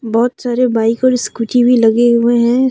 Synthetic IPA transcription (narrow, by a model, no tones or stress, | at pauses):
bɔːt̪saːɾebaːɪkɔːɾskuʈibʱilɐɡeɦʊeɦɛ̃